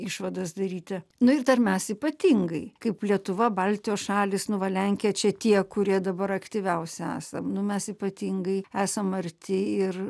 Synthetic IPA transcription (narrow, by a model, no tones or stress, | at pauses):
ɪʃʋɐd̪ɐsd̪ɐɾʲiːt̪ʲɐnʊɪrd̪ɐrmʲɛsipɐt̪ʲiŋɡɐɪkɐɪplʲiɛt̪ʊʋɐbɐlʲt̪ʲɪjoːsʃɑːlʲɪsnʊʋɐlʲɛŋʲkʲɪjɛt͡ʃʲɛt̪ʲiɛkʊɾʲiɛd̪ɐbɐɾɐkt̪ʲiʋʲɛʊsʲɛæ̰ːsɐmnʊmʲɛsipɐt̪ʲiŋɡɐɪæːsɐmɐɾʲt̪ʲɪɪr